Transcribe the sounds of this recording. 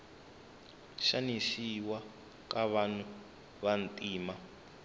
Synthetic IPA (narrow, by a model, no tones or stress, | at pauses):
ʃanisiwa | kʼaβanu | βan̩tʼiːma